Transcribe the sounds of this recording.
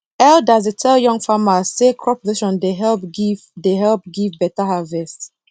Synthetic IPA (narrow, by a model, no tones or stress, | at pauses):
ɛldazitʰɛljɔ̃ŋfamasekʰɹɔpʰoziʃɔ̃ndeɦɛlpɡivdeɦɛlp̚ɡivbɛtaɦavɛst